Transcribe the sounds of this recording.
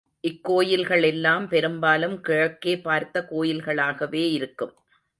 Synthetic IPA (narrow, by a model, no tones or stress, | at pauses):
ʔɪkːoːjɪlɣɐɭɛlːaːmpɛɾɯmbaːlɯmkɪɻɐkːeːpaːɾt̪ːɐkoːjɪlɣɐɭaːɣɐʋeːɪɾɯkːɯm